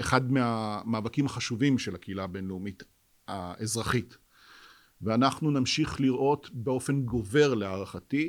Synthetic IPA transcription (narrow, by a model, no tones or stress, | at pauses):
eχad̪meamaːvakimaχaʃuvimʃe̞lakeilabe̞nleumit̪ | aezʁaχit̪ | veanaχnunamʃiχliʁʔo̞tbeo̞fe̞nɡo̞ve̞ʁleaʁaχati